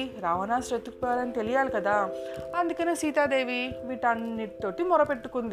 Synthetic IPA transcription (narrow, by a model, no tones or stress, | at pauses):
iɾaːʋɐnaːst͡ʃɐt̪ukpaːlɐnit̪e̞lijaːlikɐd̪aːɐnd̪ukɐneːsiːt̪aːd̪e̞ːʋiʋiːʈɐnːiʈit̪o̞ːʈimɔɾɐpe̞ʈːukund̪i